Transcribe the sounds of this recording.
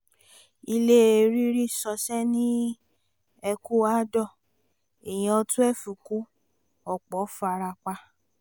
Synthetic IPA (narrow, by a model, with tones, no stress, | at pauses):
i˧le˦e˨˧ɾi˦ɾi˦sɔ˧sɛ˦nĩ˦ | ɛ˧ku˦a˦dɔ˦˨ | e˨j̃ĩ˧ɔ˧tu˦ɛ˦˨fu˨ku˨˦ | ɔ˨k͡pɔ˨˦fa˧ɾa˧k͡pa˧